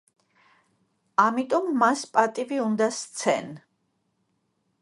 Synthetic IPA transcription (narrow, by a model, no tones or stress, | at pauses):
amit̪ʼɔmːaspʼat̪ʼiviund̪ast̪sʰɛ̰n